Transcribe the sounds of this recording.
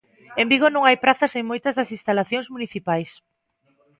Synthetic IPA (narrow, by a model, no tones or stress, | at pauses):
ẽmbiɣonõŋajpɾaθɐseŋmojt̪ɐzðɐsĩnst̪alaθjõŋzmuniθipajs